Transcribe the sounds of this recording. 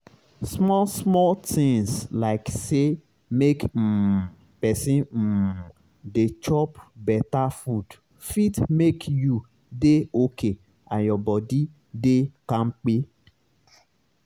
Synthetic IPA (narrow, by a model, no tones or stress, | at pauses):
smɔsmɔltĩŋslaɪkse | mek̩ | pɛsĩ | det͡ʃɔpbɛtafud | fitmekju | deokʰe | ã̰njɔbɔdi | dekãn̩k͡pe